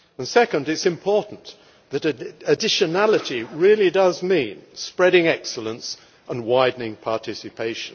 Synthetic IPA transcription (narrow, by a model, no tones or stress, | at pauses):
ə̃nsɛkə̃ndɨtsɨ̃mpʰɔɹʔn̩ | ðɨɾɨɨdɪʃɨnælˠəɾiɹɪlˠidʌzmĩnspɹɛɾɪ̃ŋɛksl̩ˠə̃ns | ʔə̃nwaɪdⁿn̩ɪ̃ŋpʰɑɹtʰɪsɨpʰeɪʃɨ̃n